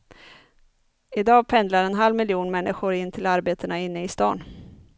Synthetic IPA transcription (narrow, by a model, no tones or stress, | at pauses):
ɪd̪ɑːɡpʰɛnd̪laɾɛnɦalvmɪljuːnmɛnːɪɧʊɾɪnːt̪ʰɪlaɾbeːt̪ənaɪnːəɪst̪ɑ̰ːn